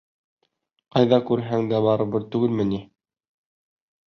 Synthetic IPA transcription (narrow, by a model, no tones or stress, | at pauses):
qɑjðɑkʉɾɦæŋd̪æbɑɾɤ̆bɤɾt̪ʉɡɘlmɘ̆ni